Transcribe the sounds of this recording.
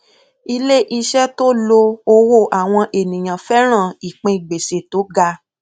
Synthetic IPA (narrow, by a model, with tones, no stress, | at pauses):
i˧le˦ʔi˧ʃɛ˦to˦lo˧o˧wo˦˨ʔa˨w̃ɔ̃˧ʔe˨nĩ˨j̃ã˨fɛ˦ɾ̃ã˦˨i˨k͡pẽ˧i˨ɡ͡be˨se˨to˨˦ɡa˧